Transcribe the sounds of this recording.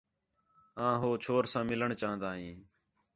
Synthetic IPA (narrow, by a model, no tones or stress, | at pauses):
ãːɦoːt͡ʃʰoːɾsãːmɪləɳt͡ʃaːɦə̃nd̪aːɦĩː